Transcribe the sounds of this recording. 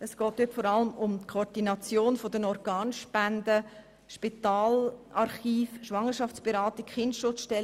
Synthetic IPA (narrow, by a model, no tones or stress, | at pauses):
əsɡ̥ɔːthʏtfɔɾɑləmʊmtkʰoɾd̥inɑt͡sjoːnfodənɔɾɡ̥ɑːnʃpændə | ʃpit̪aːlʔɑɾχiːfʃʋɑŋːəɾʃɑft͡speɾɑːtɪkχɪndʃʊt͡sʃtɛl